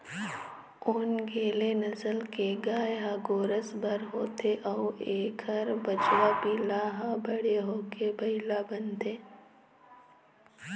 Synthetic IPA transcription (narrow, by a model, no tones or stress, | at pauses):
ʊnɡʱeːlenɐsəlkeɡaːjɦaːɡoːɾəsbʱəɾɦoːt̪ʰeʔɔːeːkʰəɾbət͡ʃwapiːlaɦãbəɽeɦoːkebɐɪlabənd̪eː